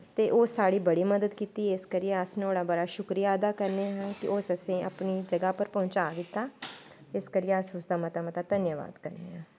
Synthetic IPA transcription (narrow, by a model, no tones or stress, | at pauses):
t̪eːʔoːsaːɽiːbəɽiːməd̪əd̪kiːt̪iːɪskəɾijẽəsneoːɽãːbəɽaːʃʊkɾijaːəd̪aːkəɾneːɦɛ̃ːkɪ̰ʔosəsẽːʔə̰pniːd͡ʒəɡaːpəɾpɔ̃ːt͡ʃaːd̪ɪt̪ːaː | ɪskəɾiẽəsʊsd̪aːmət̪aːmət̪aːd̪ənjəʋa̰ːd̪kəɾnḛːɛ̃ː